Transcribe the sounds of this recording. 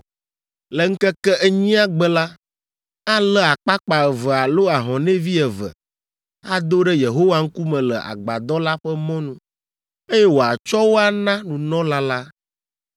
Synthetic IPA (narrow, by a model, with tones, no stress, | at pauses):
lɛ˨ŋ̩˦kɛ˦kɛ˦ʔɛ˦ɲĩ˦a˦ɡ͡bɛ˦la˦ | a˦lɛ˦a˨k͡pa˦k͡pa˨ɛ˨vɛ˨a˨lo˦a˨ɦɔ̃˨nɛ̃˦vi˦ɛ˨və̰˨ | a˦d̪o˦ɖɛ˦je˨ɦo˦wa˦ŋ̩˦ku˦mɛ̃˨lɛ˨ʔa̰˨ɡ͡ba̰˨d̪ɔ˦la˦ɸɛ˦mɔ̃˦nũ˦ | e˦jɛ˦wo˨a˨t͡ʃɔ˦wo˦a˦nã˦nũ˨nɔ̃˦la˦la˦